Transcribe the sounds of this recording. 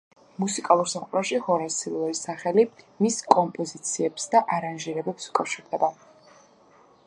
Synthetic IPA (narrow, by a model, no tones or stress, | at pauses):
musikʼalˠuɾsaqʼɾɛʃihɔɾasilɔisaχɛli | miskʼɔmpʼɔzit̪sʰiɛpsd̪aʔaɾanʒiɾɛbɛpsu̥kʼafʃiɾd̪ɛba